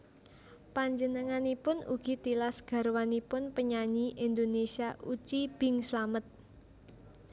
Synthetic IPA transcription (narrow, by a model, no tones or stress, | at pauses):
paɲd͡ʒənəŋanipʊnṵɡ̥i̤t̪ilasɡ̥a̤ɾwanipʊnpəɲaɲiʔind̪onesiaʔut͡ʃib̥ɪŋslamət̪̚